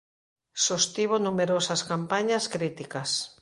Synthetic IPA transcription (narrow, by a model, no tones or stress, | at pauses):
sost̪iβ̞onumeɾosɐskampaɲɐskɾit̪ikɐs